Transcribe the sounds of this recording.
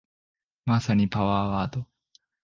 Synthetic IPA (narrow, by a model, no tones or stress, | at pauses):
masaɲ̟ipaβaːβaːt̪o